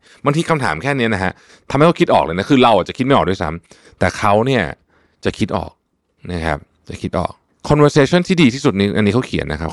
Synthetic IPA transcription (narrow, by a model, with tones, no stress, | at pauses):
ba˧ŋt̪ʰiː˧kʰa˧mt̪ʰaː˩˦mkʰɛː˥˩ni˦˥ɐna˦˥kʰa˦˥ʔ | t̪ʰa˧ma˥˩˧ki˦˥t̪̚ɔː˨˩k̚lɤː˧jna˦˥kʰɯː˧ɾa˧wʔaː˨˩t̚t͡ɕa˨˩i˦˥m˥˩jʔːdu˥˩sa̰˦˥m | t̪ɛː˨˩kʰa˦˥wni˥˩ɐ | t͡ɕa˨˩kʰi˦˥t̪̚ʔɔ̰ː˨˩k̚ | na˦˥˩kʰa̰˦˥p̚ | t͡ɕa˨˩kʰi˦˥t̪̚ʔɔ̰ː˨˩k̚ | kʰːɔ˧nweː˧seː˧t͡ɕʰɔ˥˩˨nt̪ʰiː˥˩diː˧t̪ʰiː˥˩su˨˩t̪̚niː˦˥ʔa˧nːiː˦˥kʰa˦˥wkʰi˨˩˦nːʔa˦˥kʰa˦p